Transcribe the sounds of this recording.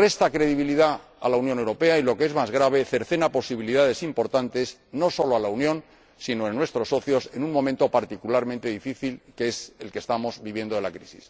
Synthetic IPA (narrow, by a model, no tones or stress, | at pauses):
re̞st̪akɾe̞ðiβiliða | a̰launjonewɾo̞pe̞ailo̞kee̞zmazɣɾaβ̞e̞θe̞ɾθe̞napo̞siβiliðaðe̞simpo̞ɾt̪ant̪e̞s | no̞so̞loalaunjõ̞n | sino̞enwe̞st̪ɾo̞so̞θjo̞se̞nuŋmoment̪o̞paɾt̪ikulaɾmẽ̞nt̪e̞ðifiθilkeese̞lkest̪amo̞zbiβje̞nd̪oelakɾisis